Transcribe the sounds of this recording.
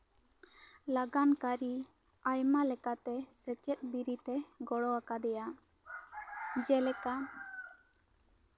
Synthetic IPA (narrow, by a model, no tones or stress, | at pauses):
laɡankaɾi | ajmalɛkat̪ɛsɛt͡ʃɛt̪̚biɾit̪ɛɡɔɽɔakad̪ɛja | d͡ʒɛlɛka